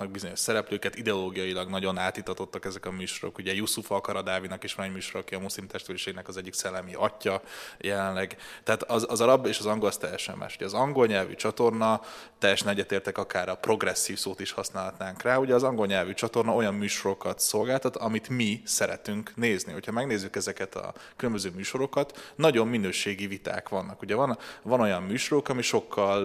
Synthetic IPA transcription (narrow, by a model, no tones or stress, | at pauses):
nɒɡ̚bizo̞ɲo̞ʃsɛɾɛpløːkɛt̪id̪ɛoloːɡijɒjilɒɡnɒɟo̞naːt̪it̪ːɒt̪o̞t̪ːɒkɛzɛkɒmyːʃoɾo̞̰kuɟɛjusufɒkɒɾɒd̪aːvinɒkeːʃʋɒnɛɟmyːʃoɾːkiɒmuslimt̪ɛʃt̪øliʃeːɡnɛkɒzɛɟːiksɛlːɛmiʔɒcːɒjɛlɛnlɛɡt̪ɛaːt̪ɒɒzɒɾɒbeːʃɒzɒŋɡolst̪ɛjːɛʃɛ̰mːʔa̰ːʃuɟɛːzɒŋɡo̞lɲɛlvy̰t͡ʃɒt̪o̞rnɒt̪ɛjɛʃɛnɛɟːɛt̪eːrt̪ɛkɒkaːɾɒpro̞ɡrɛsːiːfsoːt̪iʃhɒsnaːlɦɒt̪naːŋkraːuɟɛːzɒŋɡo̞lɲɛlvyt͡ʃɒt̪o̞rnɒo̞jɒmːyːʃo̞ɾo̞kɒt̪so̞lɡaːlt̪ɒt̪ɒmit̪misɛɾɛ̰t̪yŋkneːzniho̞chɒmɛɡneːzːykɛzɛkɛt̪ɒ̰kylømbøzøːmyːʃo̞ɾo̞kɒt̪nɒɟo̞mːinøːʃeːɡivit̪a̰ːkʋɒnːɒkuɟɛvɒnvɒno̞jɒmmyːʃo̞ɾokɒmiʃo̞kʰːɒl